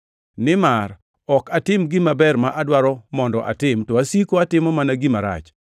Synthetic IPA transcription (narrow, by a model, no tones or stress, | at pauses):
nɪmar | ɔkatɪmɡɪmabɛrmaʔadwaɾɔmɔndɔʔa̰tɪmtɔasikoatɪmɔmanaɡimaɾa̰t͡ʃ